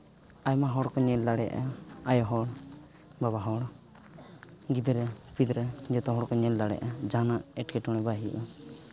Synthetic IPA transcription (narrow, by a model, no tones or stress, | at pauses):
ajmaɦɔɽkɔɲɛld̪aɽɛʔa̰ajɔɦɔɽ | baβaɦɔɽ | ɡid̪ɾɛpid̪ɾɛd͡ʒɔt̪ɔɦɔɽkɔɲɛld̪aɽɛ̰ʔad͡ʒanaʔɛʈkɛʈɔɽ̃ɛbaɦiʔɔ